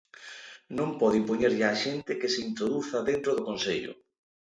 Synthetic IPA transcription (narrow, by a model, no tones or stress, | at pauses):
nõmpɔðɪimpoɲeɾʎɪaʃent̪ɪkɪsɪint̪ɾoðuθɐðent̪ɾoð̞ʊkonseʎʊ̰